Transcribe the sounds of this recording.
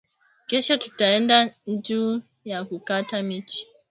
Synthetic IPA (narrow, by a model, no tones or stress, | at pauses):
kɛʃɔtu̥taɛndad͡ʒuː | jakukatamit͡ʃi̥